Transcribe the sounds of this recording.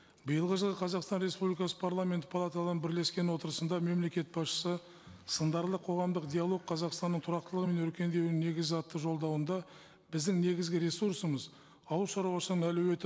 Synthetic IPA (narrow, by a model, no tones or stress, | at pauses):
bəjəlˠʁəʒəlˠəqʰɑzɑqst̪ɑnɾe̞spublikɑsə̥pʰaɾlˠame̞nt̪ɪpʰalˠat̪alˠɑɾənbɪɾle̞skʲe̞nwo̞t̪əɾəsənd̪ɑme̞mle̞kʲe̞t̪̚bɑsʃə̥sə | sənd̪ɑɾlˠəqʰo̞ʁɑmd̪əqd̪ʲijalˠo̞ɡ̚qʰɑzɑqst̪ɑnːəɴt̪ʰʊɾɑqt̪əlˠəʁəme̞nɵɾkʲe̞nd̪e̞wne̞ɡʲɪzɑt̪ːəʒo̞lˠd̪ɑwənd̪ɑ | bɪzd̪ɪŋne̞ɡʲɪzɡʲɪɾe̞suɾsəməz | ɑwulˠʃɑɾuwɑsənəɴælɵwe̞t̪ɪ